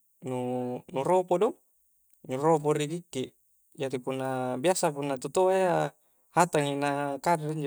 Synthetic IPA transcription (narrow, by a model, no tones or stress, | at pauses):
nunuropodɔ | nuropoɾidikːiʔ | d͡ʒadipunːabiasapunːat̪ut̪oaja | hat̪aŋinakadaɾiɲd͡ʒo